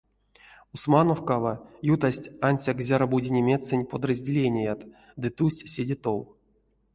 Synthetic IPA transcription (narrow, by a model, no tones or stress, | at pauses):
usmano̞fkavajut̪asʲtʲanʲsʲakzʲaɾabudʲinʲemʲe̞t̪t͡ssɨnʲpod̪rɐzʲdʲɪlʲenʲɪjat̪ | d̪ɨt̪usʲtʲsʲedʲit̪ow